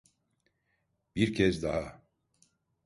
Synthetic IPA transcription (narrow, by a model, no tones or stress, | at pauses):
b̥iɾcʰɛzd̪aɦa